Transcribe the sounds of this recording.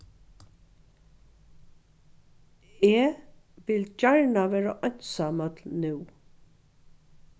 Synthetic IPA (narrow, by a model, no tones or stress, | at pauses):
eː | ʋɪld͡ʒaɹɳaʋɛːɹaʔɔn̥t̪saːmœt̪lnʉw